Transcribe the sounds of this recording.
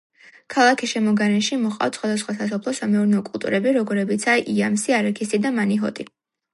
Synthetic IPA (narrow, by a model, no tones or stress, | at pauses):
kʰalˠakʰiʃɛmɔɡanɛʃimɔχʼa̰ft̪sχwad̪as̬χwasasapʰlˠɔsamɛuɾnɛɔkʼulˠt̪ʼṵɾɛbiɾɔɡɔɾɛbit̪sʰaiʔiamsiaɾɛkʰisid̪amaniɦɔ̰t̪ʼi